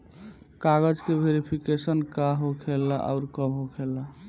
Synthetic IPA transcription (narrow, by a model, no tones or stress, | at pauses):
kaɡəd͡ʒkebʱeɾipʰikesənkaɦokʰelːaʔa̰ʊɾkəbɦokʰelːa